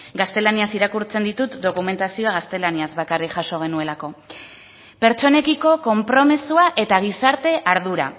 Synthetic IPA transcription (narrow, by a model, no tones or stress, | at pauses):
ɡast̪e̞laniasiɾakuɾt͡se̞nd̪it̪ut̪d̪okume̞nt̪asioaɣ̞ast̪e̞laniazβakarikʝaso̞ɣ̞e̞nue̞lako̞ | pe̞ɾt͡ʃo̞ne̞kiko̞ko̞mpɾo̞mesuaʔe̞t̪aɣ̞isaɾt̪e̞ʔaɾðuɾa̰